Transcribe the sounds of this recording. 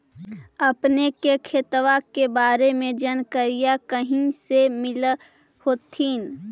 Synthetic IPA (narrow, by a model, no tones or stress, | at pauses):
ɐpnekekʰeːt̪ʋakebaːɾemẽd͡ʒənkəɾijakəɦĩsemɪl | hoːt̪ʰiːn